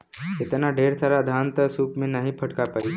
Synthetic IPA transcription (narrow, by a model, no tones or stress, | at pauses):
t̪et̪anaɖʱeɾt̪ʰaɾad̪ʱant̪əsupmenaɦipʰəʈkapai